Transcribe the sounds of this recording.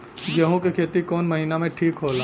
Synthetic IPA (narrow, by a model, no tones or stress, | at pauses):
d͡ʒəɦũkekʰeːt̪ikɔːnmɐɦinamẽʈʰiːkɦoːlaː